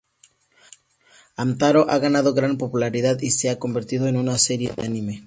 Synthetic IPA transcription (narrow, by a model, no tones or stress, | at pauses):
amt̪aɾo̞ʔaɣanaðo̞ɣɾanpo̞pulaɾiðaðiseako̞mbe̞ɾt̪iðoe̞nunase̞ɾje̞̰ðḛanime